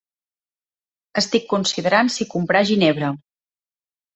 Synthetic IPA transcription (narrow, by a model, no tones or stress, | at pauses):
əst̪ikːunsiðəɾansikumpɾaʒineβɾə